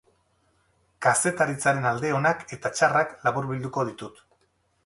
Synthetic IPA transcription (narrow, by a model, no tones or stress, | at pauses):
kase̞t̪aɾit͡saɾe̞nald̪e̞o̞nake̞t̪at͡ʃaraklaβuɾβild̪uko̞ð̞it̪ut̪